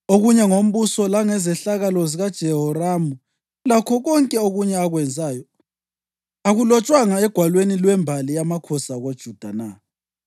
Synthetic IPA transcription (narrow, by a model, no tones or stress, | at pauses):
oɣuɲɛŋom̩βusɔlaŋɛzɛɬaɣalɔziɣad̥ʒ̥ʱɛɦɔramu | lakʰɔɣɔŋkʼɛoɣuɲɛaɣwɛnd͡zʱaːjɔ | aɣulɔt͡ʃʼwaŋaɛɡ̥ʱwalwenilwɛmbʱalijamakʰɔsaɣod̥ʒ̥ʱud̥ʱana